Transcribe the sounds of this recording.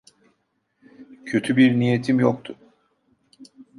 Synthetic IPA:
cʰø̞t̪ʰybiɾnijet̪ʰimjok̚t̪ʰʊ

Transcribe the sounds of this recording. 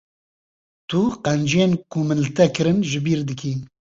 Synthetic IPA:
t̪ʰuqɛnd͡ʒeːnkʰumɨnlɨt̪ʰɛkɨɾɨnʒɪbiːɾd̪ɨkʰiːn

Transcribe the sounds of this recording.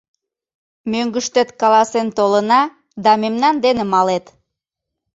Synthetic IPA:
møŋɡəʃt̪et̪kɑlɑsent̪olənɑ | d̪ɑmemnɑnd̪enemɑlet̪

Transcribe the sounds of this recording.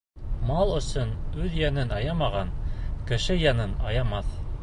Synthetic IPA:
mɑlˠɵ̆sɵnʉðjænɘnɑjɑmɑʁɑnkɘ̆ʃɘjɑnɤnɑjɑmɑθ

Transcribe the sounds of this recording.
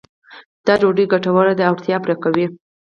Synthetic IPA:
d̪̥ɑɾoɖəjɡaʈawaɾad̪əawɾt̪jɑpɾakawi

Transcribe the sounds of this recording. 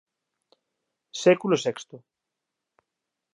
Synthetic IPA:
sekulosekst̪o

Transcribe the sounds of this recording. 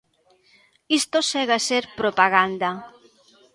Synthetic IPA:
ist̪osɛɣaseɾpɾopaɣand̪a

